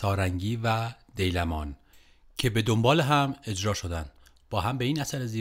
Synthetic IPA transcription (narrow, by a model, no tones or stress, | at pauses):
ɒːɾæŋɟiːvæd̪e̞jlæmɒːn | cʰe̞be̞d̪ombɒːleɦæme̞d͡ʒɾɒːʃod̪ænd̪ | b̥ɒːɦæmbe̞iːnæsæɾeziː